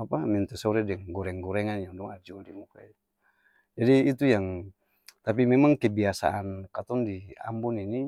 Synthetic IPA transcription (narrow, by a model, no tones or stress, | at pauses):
apamint̪ɛsɔɾɛdɛŋɡɔɾɛŋɡɔɾɛŋanjaŋdɔŋad͡ʒudimukait̪ | d͡ʒadiːt̪ujaŋ | t̪ap̬imɛmaŋkɛbiasa̰ʔankat̪ɔŋdia̰mbunini